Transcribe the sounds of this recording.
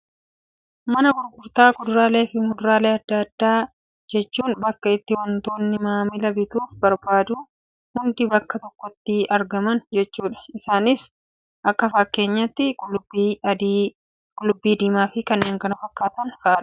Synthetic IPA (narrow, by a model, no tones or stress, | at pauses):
mɐnɐɡʊɾɡʊɾt̪aːkʊd̪ʊɾaːle̞ːfɪmʊd̪ʊɾaːleːɐd̪ːɐd̪̥ːaː | d͡ʒɛt͡ʃːuːnbɐkːɐɪt̪ːɪwɐnt̪o̞ːnːɪmaːmɪlɐbɪt̪uːfbɐɾbaːd̪uː | hʊnd̪ɪbɐkːɐt̪ɔkːɔt̪ːɪɐɾɡɐmɐnd͡ʒɛt͡ʃːuːᶑɐ̥ɪsaːnɪs | ʔɐkːɐfɐkːe̞ːɲːɐt̪ːɪlbid̪ | kʼʊlːʊbːiːd̪iːmaːfɪkɐnːeːŋkɐnɐfɐkːaːt̪ɐnfaːᶑɐ̥